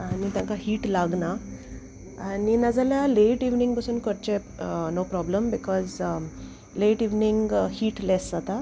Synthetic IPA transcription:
anit̪jãŋkaɦiːʈlaɡna | aninad͡zalaleʈiʋnĩŋɡpasuːnkəɾt͡ɕenopɾɔbləmbikʰɔz | leʈiʋniŋɡhiːʈlɛszat̪a

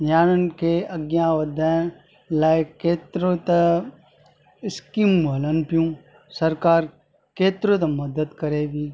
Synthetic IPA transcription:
jaːnənkeɐɡjãʋɐd̪ʱa | laːkeːt̪ɾot̪ɐ | ɪskimbʱɐlənpjũː | sɐɾkaːɾ | keːt̪ɾot̪̬ɐmɐd̪əd̪kɐɾeːbʱiː

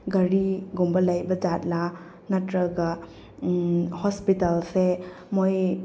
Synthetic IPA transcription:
ɡɐɾiɡumbɐlɐjbɐd͡ʒat̚la | nɐtɾɐɡɐ | hɔspitalse | moj

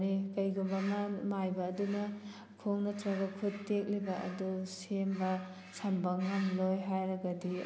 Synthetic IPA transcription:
ɾikɐjɡumbɐmamajbɐːdunɐ | kʰoŋnɐtɾɐɡɐkʰuttek̚libɐʔɐ̰dusembɐ | sɐmbɐŋamlojɦajɾɐɡɐdi

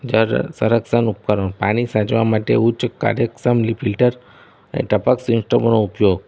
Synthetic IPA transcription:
d͡ʒəɾsəɾəksənup̚kəɾopaɽ̃isãd͡ʒʋamaʈḛut͡ʃka̰ɾjəksəmlipʰilʈəɾ | əḛʈəpəksinsʈəmnoupjoɡ

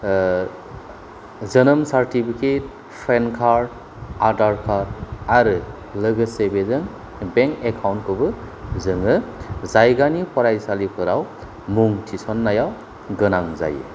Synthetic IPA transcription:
zənɯmsaɾtipʰikʰet̚ | pʰɾenkʰaɾd̚ | adaɾkʰaɾaɾɯ | lɯɡɯsebezɯŋ | beŋkekʰawntkʰɯbɯ | zɯŋɯzajɡanipʰɔɾajsalipʰɯɾaw | muŋtʰisɔnːajaw | ɡɯnaŋza̰jɯ̰

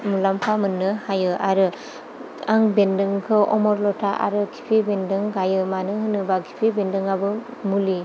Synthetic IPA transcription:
mulampʰamɯnːɯhajɯʔaɾɯ | aŋbendɯŋkʰɯʔɔmɔɾlɔtʰaʔa̰ɾɯkʰi̥pʰibendɯŋɡajɯmanɯɦɯnɯbakʰi̥pʰibendɯŋabɯmuli

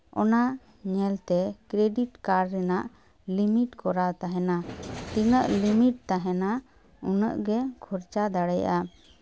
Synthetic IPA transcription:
ɔna | ɲɛlt̪ɛkɾeɖiʈkaɾɾɛnaʔ | limiʈkɔɾat̪aɦɛnat̪inəʔlimiʈ̚t̪aɦɛna | unə̰ʔɡɛkʰuɾt͡ʃad̪aɽəjʔa

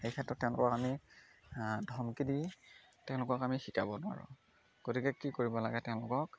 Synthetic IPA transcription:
xejkʰɛtɹɔtːɛ̃ʊ̃lʊ̰kɔkami | dʱɔmkidi | tɛ̃ʊ̃lʊkɔkamixikabɔnʊa̰ɹṵ | ɡ̥otikɛkikoɹibɔla̰ɡɛtɛ̃ʊ̃lʊkɔk

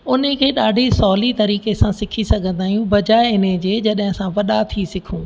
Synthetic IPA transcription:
ʊn̤əkʰeːɗaːɖʱisɔːlit̪ɐɾiːkesãsɪkʰisɐɡʱə̃nd̪aːɦijũbɐd͡ʑaːɪɪned͡ʑeːd͡ʑɐɗɦɪ̃sãʋɐɗat̪ʰisɪkʰũː

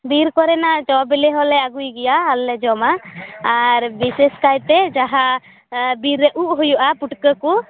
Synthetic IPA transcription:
biɾkɔɾɛnaʔd͡ʒɔbilɛɦɔlɛaɡujɡɛjaːlːɛd͡ʒɔmaaɾbisɛskajt̪ɛd͡ʒaɦa | biɾːəʔuʔɦujuʔapuʈkəku

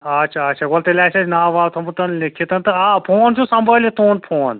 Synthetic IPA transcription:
ɐt͡ʃʰaːt͡ʃʰaɡolt̪ɐlʲaːsɐnaːʋaːlt̪ʰɐmut̪ɐnlikʰːit̪ɐnt̪ɐaːpʰoːnt͡ʃʰusɐmbʱəlit̪oːnpʰoːn

